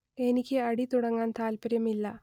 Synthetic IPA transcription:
e̞nikʲːɨɐɽit̪uɽɐŋːaːnt̪ʰaːlpɐɾjɐmilːɐ

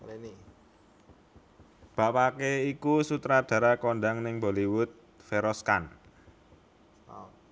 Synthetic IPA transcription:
ni | b̥a̤pakeikusut̪ɾad̪̥a̤ɾakonɖaŋnɪŋboliwʊt̪̚ | feɾɔskan

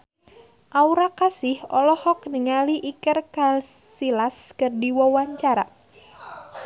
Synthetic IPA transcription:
ʔauɾakasɪhɔlɔhɔk̚niŋaliʔikərkalsilaskɨrdiwɔwaɲt͡ʃaɾa̰

